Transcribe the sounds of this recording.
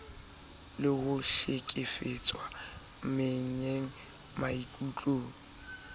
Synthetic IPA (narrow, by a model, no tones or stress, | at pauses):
lɪhʊʃekʼɪfet͡sʼwa | m̩meɲeŋ̩ | maikʼut͡ɬʼoːŋ̩